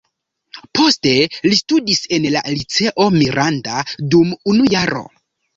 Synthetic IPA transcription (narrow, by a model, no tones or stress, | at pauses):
po̞ste̞listudise̞nla̰lit͡se̞ʔo̞miɾʔandadumunujaɾo̞̰